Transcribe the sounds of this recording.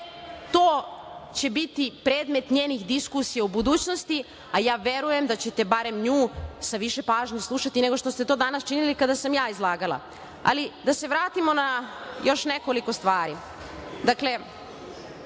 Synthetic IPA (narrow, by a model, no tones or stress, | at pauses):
t̪oːt͡ɕe̞bit̪ipɾeːd̪me̞t̪ɲe̞ːnixd̪iskusijeubud̪uːt͡ɕnost̪i | ajaːʋe̞ɾuje̞md̪at͡ɕe̞t̪e̞baɾe̞mɲuːsaʋiʃe̞paːʒɲoslˠuʃat̪ine̞ɡo̞ʃt̪o̞st̪e̞t̪o̞ːd̪anast͡ʃinilikad̪asamjaːizlˠaːɡalˠa̰ | a̰lid̪ase̞ʋɾaːt̪imo̞najo̞ʃne̞ko̞liko̞st̪ʋaːɾi | d̪akle̞